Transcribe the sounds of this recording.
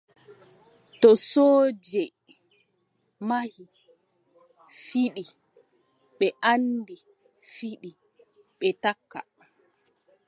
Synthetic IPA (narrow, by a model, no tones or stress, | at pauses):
tɔsoːd͡ʒɛ | mahi | fiɗi | ɓɛʔandi | fiɗi | ɓɛtakːa̰